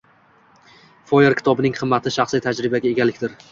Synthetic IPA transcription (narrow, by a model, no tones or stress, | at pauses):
fojeɾkʲɪ̥t̪ʰɒbɪnɪŋqʰɨmːat̪ʰɪʃaχsˠijt̪ʰad͡ʒɾɪbaɡʲae̞ɡʲalɪkʲd̪ɪɾ